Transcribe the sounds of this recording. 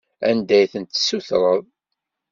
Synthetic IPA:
ænd̪æjθənt̪suθɾˤəðˤ

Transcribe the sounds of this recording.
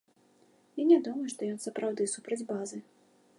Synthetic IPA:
inʲad̪umɐjuʂt̪ɔjɔnsɐpɾawd̪ɨsupɾɐd͡zʲbazɨ

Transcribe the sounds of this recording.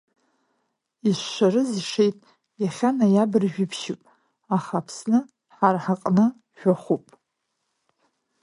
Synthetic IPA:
iʃʷːaɾɨziʂejtʼ | jaχʲanajabɨrʒᶣɪpʰʃɪpʼ | aχapʰsnɨ | ħarħaqʼnɨ | ʒᶣaχʷupʼ

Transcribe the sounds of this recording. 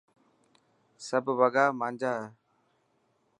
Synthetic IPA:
səbʱʋəɡaːmãːɲd͡ʒaː

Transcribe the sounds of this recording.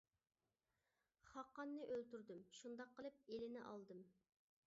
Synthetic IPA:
χɑqːɑnːɨʔølt̪yɾd̪ymʃund̪ɑqʰːəlˠɨp̚elɪnɪʔɑ̰lˠd̪ɨm

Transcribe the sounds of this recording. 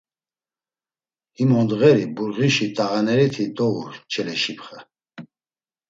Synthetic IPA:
himɔnd̪ɣɛɾibuɾʁiʃit̪ʼaʁanɛɾit̪ʰid̪ɔuɾt͡ʃʰɛlɛʃipχə

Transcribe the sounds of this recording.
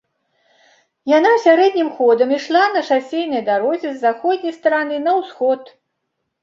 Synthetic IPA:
jan̪awsʲaɾɛd̪̚ʲnʲimxɔd̪ɐmiʂlˠanɐʂasʲejnɐjd̪aɾɔzʲɛzːaxɔd̪ʲnʲɐjst̪ɐɾanɨnɐwsxɔt̪

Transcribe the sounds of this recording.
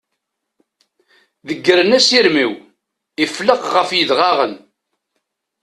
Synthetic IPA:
ðəɡːəɾənæsiɾmiw | ifləqʁəfjəðʁɑʁən

